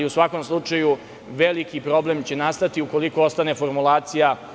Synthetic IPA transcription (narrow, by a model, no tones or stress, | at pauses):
iusʋako̞mslˠut͡ʂaju | ʋelikipɾo̞ble̞mt͡ɕe̞nast̪at̪iuko̞liko̞ost̪ane̞fo̞ɾmulˠaːt̪sija